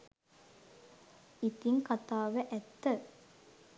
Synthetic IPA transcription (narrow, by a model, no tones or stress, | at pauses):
it̪iŋkat̪aːʋəʔæt̪ːə